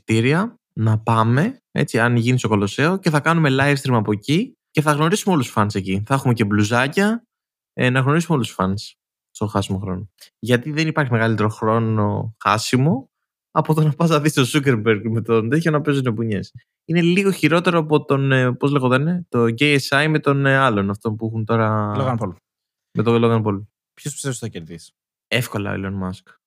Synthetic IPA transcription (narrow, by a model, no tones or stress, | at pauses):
t̪iɾiɐ | nɐpɐme̞ḛt͡siɐnʝiniso̞kolo̞se̞o̞ce̞θɐkɐnume̞lɐjfst̪ɾimɐpoci | ce̞θɐɣno̞ɾisumeo̞lusfɐnse̞ciθɐexumece̞bluzɐcɐ | nɐɣno̞ɾisumeolusfɐns | st̪o̞xɐsimo̞xɾo̞noʝɐt̪iðe̞nipɐɾçimeɣɐlit̪e̞ɾo̞xɾo̞no̞xɐ̰simo̞ | ɐpot̪onɐpɐzɐðist̪o̞sukeɾbeɾɡmet̪o̞nðeçonɐpe̞znopuɲe̞s | ine̞liɣo̞çiɾo̞t̪e̞ɾoɐpo̞t̪onpozleɣoðoɐninet̪oɟejesɐjme̞t̪o̞nɐlo̞nɐft̪o̞npuixunt̪o̞ɾɐlɣɐpol | met̪oloɣɐnpol | pçospi̥st̪esθɐceɾðis | e̞fko̞lɐ̰o̰ḭlonmɐsk